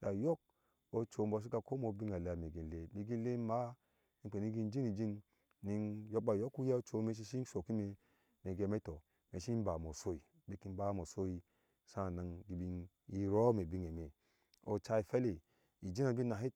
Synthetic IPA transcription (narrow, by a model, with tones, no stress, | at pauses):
ɡa˨jo˦k̚ | o˦t͡ʃo˨m˦bo˨s̬i˦ka˧ko˦mo˨bi˦ŋa˨le˨a˨me˨ɡi˨n˨le˨bi˨ɡi˦le˦ma˦ | i˦˨k͡pe˨ni˦ɡi˧n˦d͡ʒi˦ni˨d͡ʒi˦n | ni˧njo˦k̚ɓa˨jo˦ku˦ja˦o˦t͡ʃo˨˦me˧˦ʃ̬i˧ʃi˦ʃo˨ki˦me˨ | me˨ɡe˨me˦to˨ | me˨ʃi˦m˦ba˨mo˨so˦i˨ | be˦ki˧n˦ba˦mo˨so˦i˧ | sã˦˨na˨ŋɡi˨bi˧n | i˦ɾo˦me˨bi˦ŋe˨me˨ | o˨t͡ʃa˧˦i˨fe˦le˨ | i˨d͡ʒi˦na˨bi˦na˨ɦi˦t̚